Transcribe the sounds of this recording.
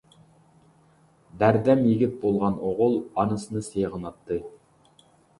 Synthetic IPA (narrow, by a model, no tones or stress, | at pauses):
d̪æɾd̪ɛmjɪɡʲɪt̪̚bolˠʁɑnoʁʊlˠɑnɨsɨnɨsejʁənɑt̪ʰːɨ